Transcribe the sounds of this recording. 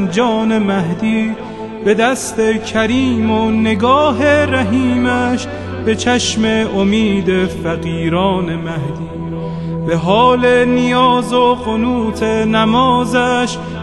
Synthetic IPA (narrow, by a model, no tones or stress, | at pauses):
nd͡ʒɒːne̞mæɦd̪iː | be̞d̪æst̪e̞kʰæɾiːmone̞ɡɒːɦeɾæɦiːmæʃ | b̥e̞t͡ʃʰæʃme̞omiːd̪efæɣiːɾɒːne̞mæhd̪iː | beɦɒːle̞nijɒːzoɢonuːt̪ʰenæmɒːzæʃ